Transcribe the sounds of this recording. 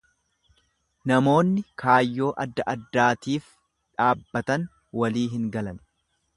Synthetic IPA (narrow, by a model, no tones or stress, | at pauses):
nɐmo̞ːnːɪkʰaːjːo̞ːʔɐd̪ːɐʔɐd̪ːaːt̪iːf | ᶑaːbːɐt̪ɐn | wɐliːɦɪŋɡɐlɐn